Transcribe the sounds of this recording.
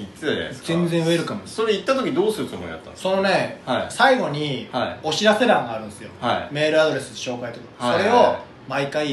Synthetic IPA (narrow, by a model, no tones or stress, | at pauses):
isɨḛzẽ̞nd͡zẽ̞ɰ̃ɯ̟eɾɯ̟kamoso̞ɾeit̪ːat̪okʲiɲd̪oːsɨɾɯt̪omõ̰ja̰t̪ːa̰so̞no̞ne̞haisaiɡo̞ɲ̟ihaio̞ɕiɾase̞ɾãŋɡaːɾɯ̟̃nesɨjo̞haime̞ːɾɯ̟ad̪o̞ɾe̞sɨd̪eɕo̞ːkait̪ːat̪oksoɾe̞o̞ | maikai